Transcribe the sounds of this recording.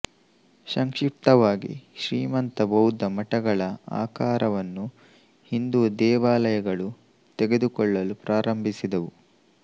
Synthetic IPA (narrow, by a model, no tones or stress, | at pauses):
ʃɐŋkʂip̚t̪ɐʋaːɡḭʃɾiːmɐnt̪ɐbɐwud̪ɐmɐʈɐɡɐɭɐa̰ːkaːɾɐʋɐnːu | hind̪uːd̪ɛːʋaːlɐjɐɡɐɭu | t̪ɛɡe̞d̪ukɔɭːɐlupɾʔaːɾɐmbʱisid̪ɐʋu